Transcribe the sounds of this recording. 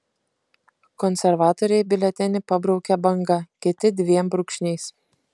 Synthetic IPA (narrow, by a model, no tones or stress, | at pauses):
kɔnʲsʲɛɾʋɑːt̪oːɾʲɛɪbʲɪlʲɛt̪ʲɛnʲɪpɐbɾɒʊkʲɛbɐŋɡɐkʲɪt̪ʲɪd̪ʲʋʲiɛmbɾʊkʃʲnʲɛɪs